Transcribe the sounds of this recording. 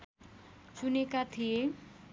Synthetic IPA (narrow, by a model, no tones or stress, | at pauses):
t͡sunekat̪ʰije